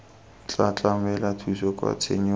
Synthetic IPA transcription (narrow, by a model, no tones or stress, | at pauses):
t͡ɬat͡ɬʼamɛlatʰusɔkʼwa̰t͡sʰḛɲɛ